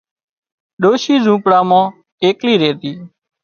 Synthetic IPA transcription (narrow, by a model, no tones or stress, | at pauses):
ɗoːʃiːzũːpɽaːmãː | eːkliːɾeːt̪iː